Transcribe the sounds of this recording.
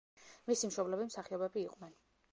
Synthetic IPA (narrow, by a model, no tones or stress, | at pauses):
misimʃɔblɛbimsaχiɔbɛbiːqʼnɛn